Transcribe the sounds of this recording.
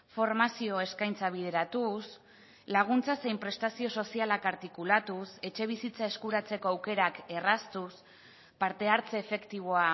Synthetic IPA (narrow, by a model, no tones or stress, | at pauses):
fo̞ɾmasio̞e̞skajnt͡saβ̞ið̞e̞ɾat̪us | laɣ̞unt͡sase̞jmpɾe̞st̪asio̞so̞sialakaɾt̪ikulat̪use̞t͡ʃe̞βisit͡sae̞skuɾat͡se̞ko̞awke̞ɾake̞rast̪us | paɾt̪e̞aɾt͡se̞ːfe̞kt̪iβ̞o̞a